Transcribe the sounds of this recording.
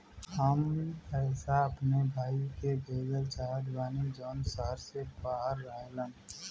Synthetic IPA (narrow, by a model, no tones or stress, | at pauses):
haːmipɛːsaɐpnebʱaːikebeːɡ̪əlt͡ʃaːd̪baːnid͡ʒɔːnsəɦəɾsebaːɦəɾːəɦelə̃n